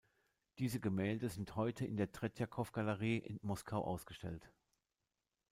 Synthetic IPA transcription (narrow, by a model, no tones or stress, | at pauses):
d̥iːzəɡəmɛːldəzɪnthɔʏtʰəɪ̰ndeːɐtʁ̥ɛtjakʰɔfɡ̥aləʁiːʔɪ̰nmɔskʰaʊʔa̰ʊsɡ̥əʃtɛ̰lt